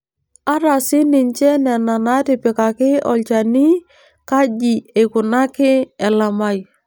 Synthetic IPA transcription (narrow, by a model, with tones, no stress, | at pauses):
a˦ɾa˨sɪ˦nɪ˨ɲt͡ʃɛ˦nɛ˨na˨na˦tɪ˨pɪ˨ka˨kɪ˦ɔ̰˨lt͡ʃa˨ni˦ | ka˦d͡ʒi˨e˨kʊ˨na˦kɪ˦ɛ˨la˨ma˦j